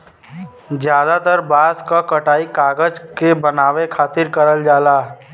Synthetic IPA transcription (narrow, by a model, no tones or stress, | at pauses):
zjaːd̪at̪əɾbaːskakɐʈaːikaːɡəd͡ʒkebənaːʋekʰaːt̪ɪɾkəɾəld͡ʒaːlaː